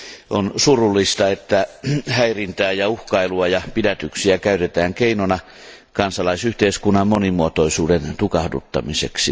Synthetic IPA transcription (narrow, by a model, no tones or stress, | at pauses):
onsurulːist̪ɑet̪ːæhæirint̪æːjɑuhkɑiluɑjɑpidæt̪yksiækæyt̪et̪æːŋkeinonɑ | kɑnsɑlɑisyht̪eiskunːɑmmonimuot̪oisuːdent̪ukɑhdṵt̪ːɑ̰misḛksi